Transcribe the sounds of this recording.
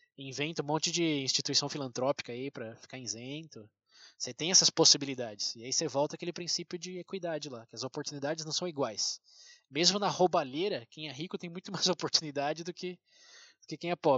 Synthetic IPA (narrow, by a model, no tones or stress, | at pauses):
ĩvẽnt̪ʊũmõnt͡ʃɪd͡ʒɪĩst͡ʃit̪uisɐ̃w̃filɐ̃nt̪ɾɔpi̥kɐipɾɐfi̥kaẽzẽnt̪ʊ | set̪ẽj̃ɛsɐsposibilid̪ad͡ʒɪsɪaisevɔwt̪ɐkelɪpɾĩsipjʊd͡ʒɪekwijd̪ad͡ʒɪlakɪɐzopoɾt̪unid̪ad͡ʒɪznɐ̃w̃sɐ̃w̃iɡwajs | mezmʊnɐhobaleɾɐkẽj̃ɛɦikʊt̪ẽj̃mũj̃t̪ʊmajzopoɾt̪unid̪ad͡ʒɪd̪ʊkɪ | d̪̥ʊkɪkẽj̃ɛpɔ